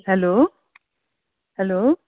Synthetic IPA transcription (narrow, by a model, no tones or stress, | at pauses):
ɦɛloː | hɛloː